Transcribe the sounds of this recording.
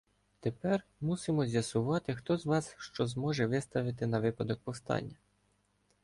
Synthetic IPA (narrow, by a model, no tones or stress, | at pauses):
t̪epɛrmusɪmɔzʲjɐsʊʋɑt̪ɪxt̪ɔzʋɑsʃt͡ʃɔzmɔʒɛʋɪst̪ɐʋɪt̪ɪnɐʋɪpɐd̪ɔk̚pɔwst̪ɑ̰nʲːɐ